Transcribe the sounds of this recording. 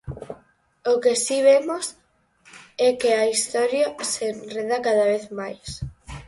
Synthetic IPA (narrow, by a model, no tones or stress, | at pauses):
okesiβ̞emos | ɛkeaist̪ɔɾjasenreðakaðaβeθmajs